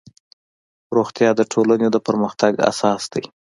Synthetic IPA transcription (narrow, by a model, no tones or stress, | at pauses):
ɾoxt̪jɑd̪əʈʰolaned̪əpəɾməxt̪aɡa̰sɑsd̪̥aj